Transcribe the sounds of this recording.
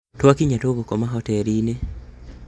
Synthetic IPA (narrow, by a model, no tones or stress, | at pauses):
twakiɲatoɣokɔmaɦɔtɛɾine